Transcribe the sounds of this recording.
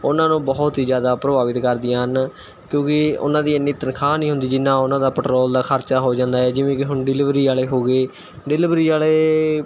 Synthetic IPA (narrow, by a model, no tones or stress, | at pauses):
ʊnãːnũːbɔːʊt̪iːd͡ʒjaːd̪aːpɾəbaːʋɪt̪kəɾd̪ɪjãːɦən | kjõːkɪʊ̰nãːd̪iːənːit̪ənkʰaːnĩːɦʊ̃nd̪iːd͡ʒɪnːãːʊnãːd̪aːpəʈɾɔːld̪aːkʰəɾt͡ʃaːɦoːd͡ʒãːnd̪aːɛːd͡ʒɪʋẽːkɪɦʊnɖɪlɪʋɾiːaːleːɦoːɡeː | ɖɪlɪʋɾiːaːleː